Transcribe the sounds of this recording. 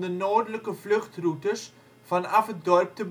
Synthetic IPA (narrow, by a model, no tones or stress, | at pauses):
dənɑːrdələkəflɵχtrutəs | fɐnɐfət̚dɔrp̚təb